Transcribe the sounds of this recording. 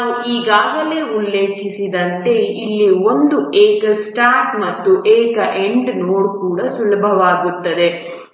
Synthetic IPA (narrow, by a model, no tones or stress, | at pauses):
nauiːɡaːɡɐle̞ːulːe̞ːkʰisid̪ɐnt̪e̞ilːio̞nd̪ueːkɐsʈaːɾʈmɐt̪ːuʔɛːkɐʔe̞ɳɖnoːɽkuːɽɐsulɐbʱɐʋaːɡut̪ːɐd̪e̞